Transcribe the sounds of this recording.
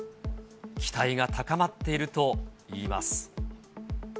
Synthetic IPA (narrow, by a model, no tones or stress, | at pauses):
kʲi̥t̪aiɡat̪ʰakamat̪ːe̞iɾɯ̟t̪o̞iːma̰sɨ̥